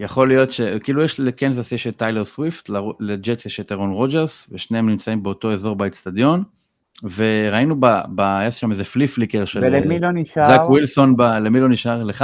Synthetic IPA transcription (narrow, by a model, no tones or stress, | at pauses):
jaχo̞lijo̞tʃekiːlujɛʃlekenzaseʃelt̪ajleʁswiftlled͡ʒeseʃet̪eʁonʁo̞d͡ʒeʁsveʃneemnimt͡saimbeo̞to̞e̞zo̞ʁbait͡stad̪jo̞n | ve̞ʁainubabajeʃʃamezefliflikeʁʃelemiloniʃazakwilso̞nbalemilo̞niʃaʁleχa